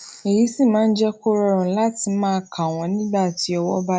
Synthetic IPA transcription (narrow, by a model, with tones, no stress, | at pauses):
e˨ɾi˨˦sĩ˦˨mãː˨˦n̩˦d͡ʒɛ˦ko˦ɾɔ˧ɾɔ̃˨˦la˦ti˧mãː˦˧˦kʰa˨w̃ɔ̃˨nĩ˦ɡ͡ba˦˨ti˨˧˦ɔ˧wɔ˦ba˦